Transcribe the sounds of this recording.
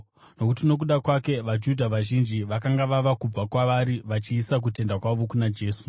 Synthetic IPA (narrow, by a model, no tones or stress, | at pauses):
no̞kutino̞k̬uɗakwake̞ʋad͡ʒudʱaʋaʒind͡ʒiʋakaŋɡaʋaʋakub͡vakwaʋaɾiʋat͡ʃiːsak̬ute̞ndakwaʋo̞kunad͡ʒe̞ːsu̥